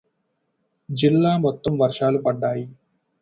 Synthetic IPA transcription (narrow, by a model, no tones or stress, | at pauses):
d͡ʒilːaːmɔt̪ːɐmʋɐɾʂaːlupɐɖːaːji